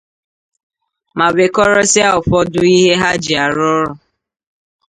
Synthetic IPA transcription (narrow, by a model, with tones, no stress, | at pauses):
ma˨be˨kɔ˦ɾɔ˦sɪ˦a˦ʊ˨fɔ˦dʊ˦i˦ɦe˦ɦa˦d͡ʒi˨a˨ɾɔ˦ɾʊ˨